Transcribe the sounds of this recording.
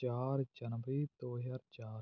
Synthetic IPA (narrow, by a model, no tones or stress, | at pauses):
aːɾd͡ʒɐnbɾiːt̪oːjɐɾt͡ʃaːɾ